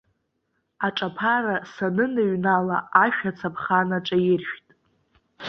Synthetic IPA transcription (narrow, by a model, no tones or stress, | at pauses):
aʈ͡ʂʼapʰarasanɨnɨɥnalaaʃᶣat͡sʰapʰχanaʈ͡ʂʼajɪrʃᶣtʼ